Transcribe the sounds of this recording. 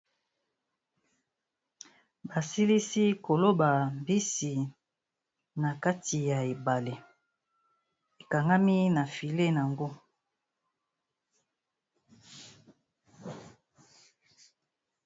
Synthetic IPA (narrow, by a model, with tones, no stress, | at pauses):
ba˨si˦li˦si˦ko˨lo˦ba˨mbi˦si˨ | na˨ka˦tʰi˨ja˨e˨ba˨le˨ | e˨ka˨ŋɡa˦mi˦na˨fi˨le˦na˨ŋɡo˦